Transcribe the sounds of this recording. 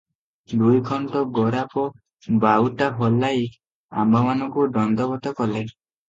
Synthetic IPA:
d̪ujɡʰʱɔɳʈɔɡɔɾapɔ | bawʈaɦɔlːaji | a̰mbʱamanɔŋkuɖɔnd̪ɔbɔt̪ɔkɔle

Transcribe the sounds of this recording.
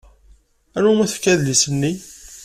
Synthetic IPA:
ænumæθəfkæðlisənːi

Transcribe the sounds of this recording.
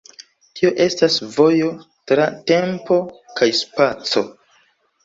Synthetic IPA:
tio̞ʔe̞stasvo̞jo̞ | tɾate̞mpo̞kajspat͡so̞

